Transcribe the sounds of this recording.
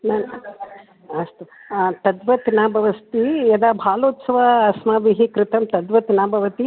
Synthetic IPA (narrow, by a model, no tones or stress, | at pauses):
naːn | ɐst̪ut̪ɐd̪ʋɐt̪inaːbʱɐʋɐst̪ijɐd̪aːbʱaːloːt̪sɐʋaɐsmaːʋiɦikɾɪt̪ɐmt̪ɐd̪ʋɐt̪inaːbʱɐʋɐt̪i